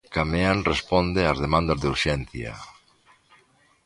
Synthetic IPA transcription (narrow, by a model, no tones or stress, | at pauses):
kameanrespond̪eazðemãnd̪azðuɾʃɛnθja̰